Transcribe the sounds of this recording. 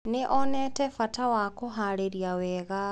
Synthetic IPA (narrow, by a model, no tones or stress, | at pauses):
neʔɔnɛtɛfatawakoɦaɾeɾijawɛɣa